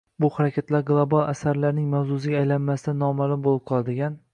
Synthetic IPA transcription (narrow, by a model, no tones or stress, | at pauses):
bʊχaɾakʲʰat̪laɾɡlˠobalˠa̰saɾlaɾnɪŋmawzʊs̬ɪɡʲaːjlanmasɪd̪anɒmalˠʊmbolˠɪp̚qʰɒlˠad̪ɪɡʲan